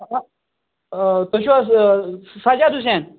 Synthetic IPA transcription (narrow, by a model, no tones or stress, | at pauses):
t̪oɕua | sad͡ʑad̪us̬en